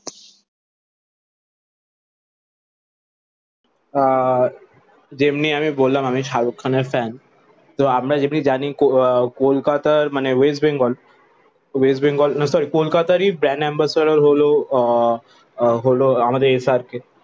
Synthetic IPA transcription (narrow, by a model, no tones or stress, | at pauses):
d͡ʒemniɐmĩboːlːamamiʃaːɾukʰːənefɛːn | t̪oamɾad͡ʒemnid͡ʒaːnikokoːlkaːt̪əɾmaneʋeːsbẽŋɡɔːl | ʋeːsbẽŋɡɔːlnɐsɔːɾikoːlkaːt̪əɾibɾɛ̃ːnɛ̃ːmbasəɾəɾɦoːlo | ɦoloamad̪eeːsaːɾke